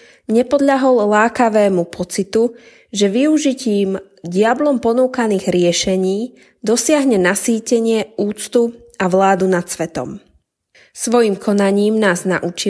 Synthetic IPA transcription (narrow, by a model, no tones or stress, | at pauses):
ɲɛpɔd̪ʎaɦɔllaːkaʋɛːmupʰɔt͡sit̪u | ʒɛʋiuʒiciːm | ɟɪablɔmpɔnuːkaniːɣɾɪɛʃɛɲiː | d̪ɔsɪaɦɲɛnasiːcɛɲɪɛuːt͡st̪u | aʋlaːd̪unat̪sʋɛt̪ɔ̰m | sʋɔjiːmkʰɔnaɲiːmnaːznaʔut͡ʃi